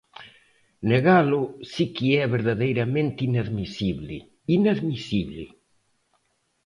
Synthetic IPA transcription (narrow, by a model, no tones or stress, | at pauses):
neɣalʊsikiɛβeɾðaðejɾamẽnt̪inaðmisiβlɪ̰ | inaðmisiβlɪ̰